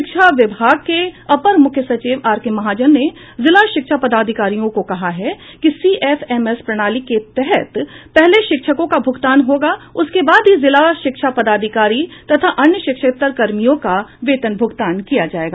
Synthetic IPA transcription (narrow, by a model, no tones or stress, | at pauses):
ɪkʃaʋɪbʱaːɡ̚keɐpəɾmʊkʰjəsɐt͡ʃiːʋaːɾkemɐɦaːd͡ʒənːe | zɪlaʃɪkʃapɐd̪aːd̪ʱɪkaːɾijõkokɐɦaɦɛkisiːʔɛːfɛmɛspɾɐɽ̃aːliket̪ɛɦɛt̪pɛɦleʃɪkʃəkõkabʱʊɡt̪aːnɦoːɡaʊskebaːd̪ɦizɪlaʃɪkʃapɐd̪aːd̪ʱɪkaːɾit̪ɐt̪ʰaʔɐ̃njəʃɪkʃək̚t̪ːəɾkɐɾmijõkaʋeːt̪ənbʱʊɡt̪aːnkijad͡ʒaːeːɡaː